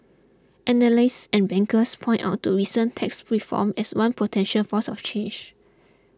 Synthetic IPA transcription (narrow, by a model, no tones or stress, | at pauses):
ʔɛnəlaɪsɛ̃nbɛ̃ŋkəspʰɔ̃jnta̰ʊtʰːuɹisə̃ntʰɛksfɹifɔ̰mɛswãnpʰotʰɛ̃nʃəlfɔsɔft͡ʃẽnd͡ʒ